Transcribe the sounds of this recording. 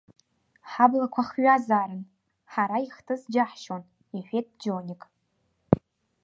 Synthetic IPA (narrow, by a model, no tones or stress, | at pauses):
ħablakʷʰaχɥazaːɾɨn | ħaɾaiχtʰɨzd͡ʒaħʃon | eħʷᶣet̚ʼd͡ʒonʲikʼ